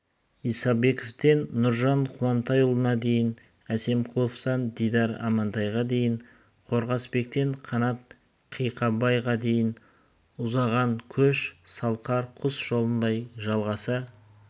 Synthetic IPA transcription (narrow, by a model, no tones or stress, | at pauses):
ijsɑbe̞koft̪e̞nːʊɾʒɑɴqʰʊɑnt̪ɑjʊlˠənɑd̪e̞jɪn | æse̞mqʰʊlˠofsɑnd̪ijd̪ɑɾɑ̰mɑnt̪ɑjʁɑd̪e̞jɪɴ | qʰo̞ɾʁɑsbe̞k̚t̪e̞ɴqʰɑnɑt̪̚ | qʰijqɑbɑjʁɑd̪e̞jɪn | ʊzɑʁɑŋkʲʰɵʃsɑlˠqɑɾqʰʊsʒ̥o̞lˠənd̪ɑjʒɑlˠʁɑsə